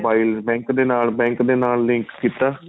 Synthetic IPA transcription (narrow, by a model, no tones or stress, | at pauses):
baːilbɛ̃ːŋkd̪eːnaːlbɛ̃ːŋkd̪eːnaːllɪ̃ŋkkiːt̪aː